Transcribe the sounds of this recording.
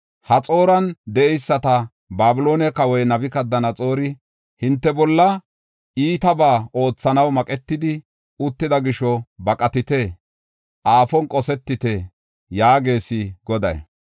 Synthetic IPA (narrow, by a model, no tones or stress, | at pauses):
hɐt͡sʼo̞ːɾɐnd̪ɛɛjsːɐt̪ɐ | baːbɪlo̞ːnɛkɐwɔjnɐbɪkɐd̪ːɐnɐt͡sʼo̞ːɾɪ | hɪnt̪ːɛbɔlːɐ | iːt̪ɐbaːʔo̞ːt͡sːɐnɐwmɐkʼɛt̪ːɪd̪ɪ | ʊt̪ːɪd̪ɐɡɪʃɔbɐkʼɐt̪ɪt̪e | ʔaːfɔnkʼɔsɛt̪ːɪt̪ɛ | jaːɡe̞ːsɪɡɔd̪ɐ̰j